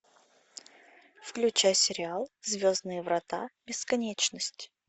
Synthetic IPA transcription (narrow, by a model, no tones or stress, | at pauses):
fklʲʉt͡ɕajsʲɪɾʲɪalˠzʲvʲoznɨjəvɾɐt̪abʲɪskɐnʲet͡ɕnəsʲtʲ